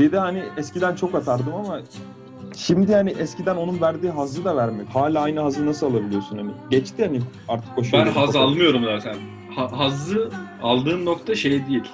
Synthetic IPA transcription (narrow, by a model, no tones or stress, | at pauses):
b̪̥ed̪ihaniɛskcid̪ænt͡ʃʰo̞kat̪ʰaɾd̪ɯmama | ʃimd̪ihaniʔɛscid̪æno̞nunvæɾd̪iːɦazlˠɯd̪avæɾmɛchaːlʲaːajnɯɦazɯnasɯlˠalˠabilʲijo̞sunhaniɟɛt͡ʃt̪ʰihaniaɾt̪ʰɯ̥ko̞ʃbanhazalˠmɯjo̞ɾumzaːt̪ʰæn | haɦazˠɯalˠd̪ɯːnːokt̪ʰaʃejɛd̪ijilʲ